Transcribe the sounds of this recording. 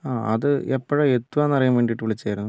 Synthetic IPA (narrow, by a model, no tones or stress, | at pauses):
aːʔɐðɨepːɐɻɐet̪ːuʋaːnːɐrɐjumʋeːɳɖiʈːɨʋiɭit͡ɕːaːjɾunːu